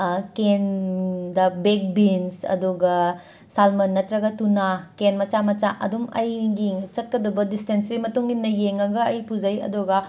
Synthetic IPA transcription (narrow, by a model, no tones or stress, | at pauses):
kendɐbek̚binsɐ̰duɡɐ | salmɐnːɐtɾɐɡɐtunakenmɐt͡ʃamɐt͡ʃaʔɐ̰dumɐjɡit͡ʃɐt̚kɐdɐbɐdistensɾimɐtuŋinnɐjeŋɐɡɐːjpud͡ʒɐjɐ̰duɡɐ